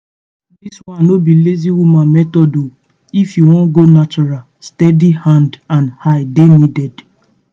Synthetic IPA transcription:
diswãnobileziwumãmɛtɔdo | ifjuwɔ̃nɡonat͡ʃɔɾal | stɛdihãndãnhaɪdenidɛd

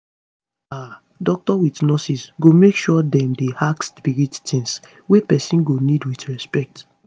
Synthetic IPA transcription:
a | dɔk̚tɔwitnɔsisɡomekʃuɔɔdɛ̃mdehakspiɹittʰĩns | wepɛsĩnɡonidwitɹɛspɛk̚t

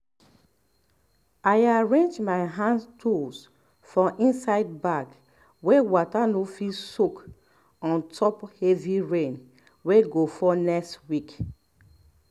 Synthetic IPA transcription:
aɪaɹẽnd͡ʒmaɪɦãntʰus | fɔʔĩnsaɪd̚baɡ | wewɔtanofilsuk | ɔ̃ntʰɔphɛviɹẽn | weɡofɔnɛkstwik

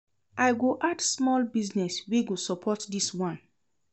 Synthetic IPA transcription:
ʔaɪɡoʔadsmɔlbiznɛsweɡosɔpʰɔtdiswãn

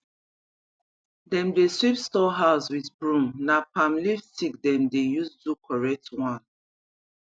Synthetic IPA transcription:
dɛ̃mdesɹipstɔɦaʊswiθbɹũmnapãmliftik̚dɛ̃mdejusdukʰɔɹɛk̚twãn

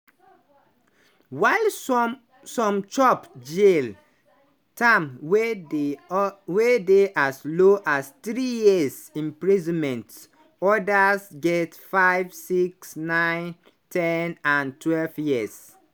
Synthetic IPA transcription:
waɪl | sɔ̃mt͡ʃɔpd͡ʒel | tʰãmw | wedeʔasloʔastɹijis | ĩmpɹizɔ̃nmɛ̃nt | ɔdasɡɛtfaɪvsiksnãɪ̃n | tʰɛnãntʰwɛlvjiəs

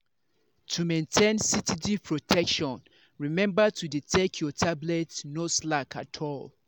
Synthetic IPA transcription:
tʰumẽntʰɛ̃nsitidipʰɹotʰɛkʃɔ̃n | ɹimɛ̃mbətʰuditʰekʰjɔtʰablɛtnoslakʰa̰tʰɔl

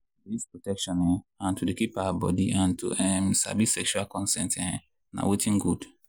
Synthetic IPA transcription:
dispɹɔtɛkʃɔ̃nɛ̃ãntʰudekipawabɔ̰diʔãntṵʔɛmsa̰bisɛkʃualkɔ̃nsɛ̃ntɛ̃ | na̰wetĩŋɡud

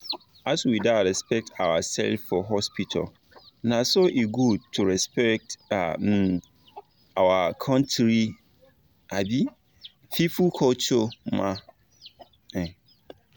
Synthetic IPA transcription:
aswidaɹɛspɛk̚tʰawasɛ̰lfɔɦɔspitʰa̰l | nãsoʔeɡud̚tʰːuɹɛspɛk̚ta̰ | awakʰɔ̃ntʰɾi | abi | fifukʰɔlt͡ʃɔmã | ɛ̃

